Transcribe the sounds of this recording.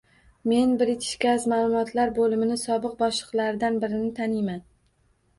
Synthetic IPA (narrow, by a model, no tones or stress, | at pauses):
me̞nbɪɾɪt̪ʰɪ̥ʃɡʲazmaːlˠʊmɒt̪ʰlaɾbolɪmɪnɪsɒbɨq̚bɒʃlˠɨqlˠaɾɪd̪anbɪɾɪnɪt̪ʰanɪjman